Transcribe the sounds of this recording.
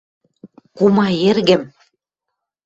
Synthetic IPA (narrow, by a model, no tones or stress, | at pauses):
kumɑjerɣɘ̆m